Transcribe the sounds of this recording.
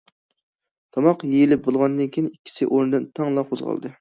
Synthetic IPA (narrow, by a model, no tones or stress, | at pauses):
t̪ʰɑmɑqjejilɪp̚bolˠʁɑnd̪ɨnkʲʰijinikʲʰːi̥sɪʔoɾnɨd̪ɨnt̪ʰɑŋlˠɑqʰozʁɑ̰lˠd̪ɨ